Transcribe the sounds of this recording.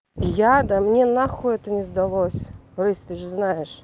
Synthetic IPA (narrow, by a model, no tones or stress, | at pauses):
jad̪ɐmnʲenaxʊɛt̪ənʲɪzd̪ɐlˠosʲrɨsʲt̪ɨʐznajɪʂ